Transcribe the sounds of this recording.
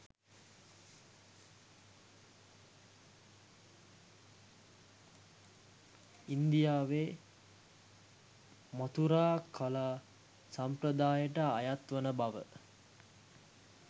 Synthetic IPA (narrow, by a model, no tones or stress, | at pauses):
ind̪ijaːʋe | mot̪uɾaːkʰalaː | sampɾəd̪aːjəʈəajat̪ʋənəbaʋə̰